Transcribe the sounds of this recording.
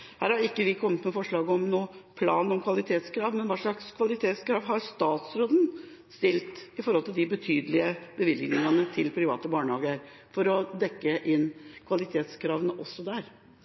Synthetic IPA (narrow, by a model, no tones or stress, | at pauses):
hæːɾhɑɾɪkːəʋɪkʰɔmːət̪mɛfɔʂɭɑːɡəɔmnuːəpʰlɑːnɔmkʰʋɑlɪt̪ʰeːt̪skʰɾɑːʋmɛnʋɑːʂɭɑkskʰʋɑlɪt̪ʰeːt̪skɾɑːʋɦɑɾst̪ɑːt̪sɾoːd̪n̩ | st̪ɪlt̪ɪfɔɾhɔlt̪ɪld̪ɪbət̪ʰyːd̪əlɪəbəʋɪlɡnɪŋɑnət̪ʰɪlpʰɾɪʋɑ̰ːt̪əbɑːɳəhɑːɡəəɾ | fɔɾɔd̪ɛkːəʔɪnːkʰʋɑlɪt̪ʰeːt̪skʰɾɑːʋənəʔɔsːɔd̪æɾ